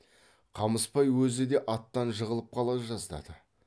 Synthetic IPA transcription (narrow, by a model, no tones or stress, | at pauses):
qʰɑməspɑjwɵzɪd̪e̞ʔɑt̪ːɑnʒəʁəlˠəp̚qʰɑlˠɑʒɑzd̪ɑ̰d̪ə